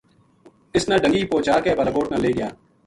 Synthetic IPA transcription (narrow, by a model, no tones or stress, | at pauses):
ɪsnãːɖəŋɡiːpoːt͡ʃaːɾkeːbələɡoːʈnãːleːɡɪjaː